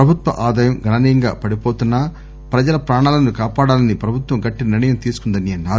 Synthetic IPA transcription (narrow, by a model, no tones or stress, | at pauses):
pɾɐbʱut̪ʋɐ̰ʔaːd̪aːjɐmɡɐɳɐniːjɐŋɡa̰ːpɐɽipo̞ːt̪unːɐ | pɾɐd͡ʒɐlɐpɾaːɳaːlɐnukaːpaːɽaːlɐnipɾɐbʱut̪ʋɐmɡɐʈːinɐniɳɐjɐmt̪iːsu̥kund̪ɐniɐnːaːɾu